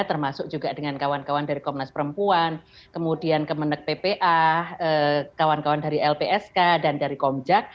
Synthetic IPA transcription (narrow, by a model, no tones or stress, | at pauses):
t̪ərmasʊk̚d͡ʒuɡadəŋankawankawandaɾikɔmnaspəɾəmpuan | kəmudiankəmənək̚pepeʔaəkawankawandaɾiʔɛlpeʔɛskadandaɾikɔmd͡ʒak̚